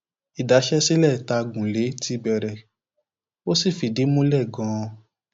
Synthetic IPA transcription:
i˨da˨˦ʃɛ˦si˦lɛ˦˨ta˧ɡũ˨le˨˦ti˧˦bɛ˨ɾɛ˨ | wo˦si˦˨fi˨di˨˦mũ˦lɛ˦˨ɡɔ̃˨˦˧

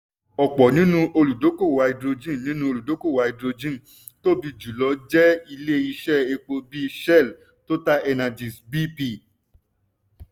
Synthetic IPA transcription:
ɔ˨k͡pɔ˨nĩ˦nũ˦ʔo˧lu˨do˨˦ko˦˨wa˧i˧dɾo˧d͡ʒĩ˦˨nĩ˨˦nũ˦o˧lu˨do˨˦ko˦˨wa˨˧i˧dɾo˧d͡ʒĩ˦˨ | to˦˨bi˧d͡ʒu˨lɔ˨˦d͡ʒɛ˦i˧le˦i˧ʃɛ˦˨e˧k͡po˧bi˦ʃɛ˦˨l | to˦ta˦ɛ˧nã˨d͡ʒĩ˨sbi˦pi˦˧˨

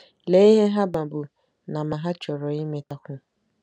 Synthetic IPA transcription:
le˨˦i˦ɦe˦ɦa˦ba˨bʊ˨ | na˨ma˨ɦa˦t͡ʃɔ˨ɾɔ˨i˦me˨ta˦kʷʊ˦

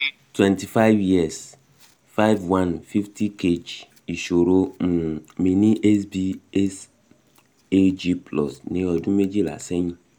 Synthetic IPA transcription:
twɛ̃˨nti˨fa˦ɪ˦vji˦ɛ˨s | fa˦jvwã˦nfi˦fti˦ke˨d͡ʒ | i˨ʃo˨ɾo˦m̩˨me˨ni˦ʔɛ˦sbi˦ɛ˦s | e˦d͡ʒi˦plɔ̰˨sne˨ɔ˨du˦me˦d͡ʒi˦la̰˨se˦ɲĩ˦

